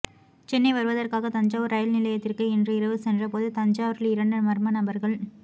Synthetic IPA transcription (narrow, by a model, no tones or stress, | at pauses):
t͡ʃɛnːɐɪʋɐɾɯʋɐðɐrkaːɣɐt̪ɐɲd͡ʒaːʋɯɾɐjɐlnɪlɐjɐt̪ːɪrkɯɛndrɐɪɾɐʋɯsɛndrɐpoːðɯt̪ɐɲd͡ʒaːʋɾɪlɪɾɐɳɖɯmɐɾmɐnɐbɐɾɣɐɭ